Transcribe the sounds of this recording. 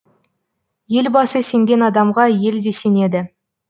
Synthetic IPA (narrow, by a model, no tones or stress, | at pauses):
je̞lbɑsəse̞ŋɡʲe̞nɑd̪ɑmʁɑje̞ld̪e̞se̞ne̞d̪ɪ